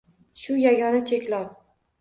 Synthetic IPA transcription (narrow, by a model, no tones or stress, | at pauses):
ʃʊjaɡʲɒnat͡ʃʰe̞kʲlaw